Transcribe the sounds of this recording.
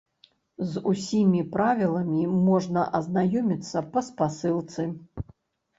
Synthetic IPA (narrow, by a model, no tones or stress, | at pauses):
zusʲimʲipɾavʲilˠɐmʲimɔʐnɐʔɐznajɔmʲit̪sːɐpɐspasɨlˠt̪sɨ